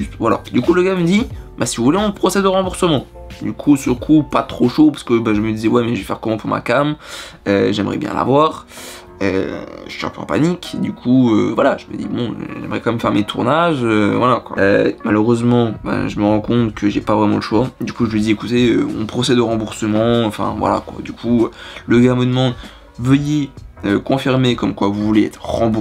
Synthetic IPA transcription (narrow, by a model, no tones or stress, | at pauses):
yst̪vala̰d̪ykuləɡaməd̪ibasivuvuleɔ̃pχɔsɛd̪əʁɑ̃buʁsəmɑ̃ | d̪ykʰusyʁkʰupat̪χoʃopaʁsə̥kəbaʒəməd̪izɛwɛmɛʒəvɛfɛʁkɔmɑ̃puʁma̰kam | øʒɛməʁɛ̰bjɛ̰̃la̰vwaːʁ | ø̰ʒə̥ʃɛ̰ʁpɑ̰̃pa̰nikd̪ykʰuøvwalaʒəmə̰d̪ḭbɔ̰̃ʒɛ̰mʁɛkɑ̃mɛmfɛʁmet̪ʰuʁnaʒøvwalakwa̰ømaløʁøzmɑ̃ba̰ʒəməʁɑ̃kɔ̃t̪kʰəʒepavʁɛmɑ̃ləʃwad̪ykuʒəməd̪iekut̪eøɔ̰̃pχɔsɛd̪əʁɑ̃buʁsəmɑ̃ɑ̃fɛ̰̃vwa̰la̰kwa̰d̪ykʰuləɡaməd̪əmɑ̃d̪ | vəjeøkɔ̃fiʁmekɔmkwavuvuleɛ̰t̪χʁɑ̃bu